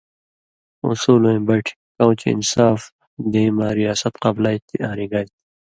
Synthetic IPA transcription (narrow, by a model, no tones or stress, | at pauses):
ṵsuːlõbɐʈʰi̥ | kɐ̃w̃t͡ɕiḭnsaːf | d̪eimaːɾijaːsɐt̪qɐblajt̪iãːɾiɡaːjt̪i̥